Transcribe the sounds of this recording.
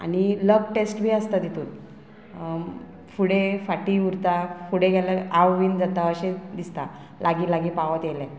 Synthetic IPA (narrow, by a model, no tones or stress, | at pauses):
a̰ñiləɡ̚ʈesʈbʱiəst̪ad̪it̪uːn | fuɽefaʈiːuɾt̪afuɽeɡʱɛlaɾawʋiːnd͡zat̪aəɕed̪ist̪a | laɡiːlaɡiːpaʋət̪jelɛ̃